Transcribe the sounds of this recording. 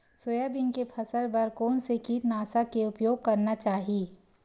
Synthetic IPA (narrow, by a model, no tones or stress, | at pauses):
soːjabɪnkepʰɐsəɾbɐɾkɔːnsekit̪naːsakeʊpjoːɡ̚kɐɾnat͡ʃaːɦieː